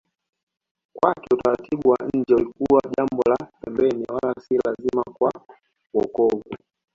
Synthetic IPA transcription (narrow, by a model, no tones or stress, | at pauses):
kwakɛutaɾatʰiɓuwaɲ̩d͡ʒɛulikuwaʄambɔlapɛmbɛniwalasilazimakwa | wɔkɔɡu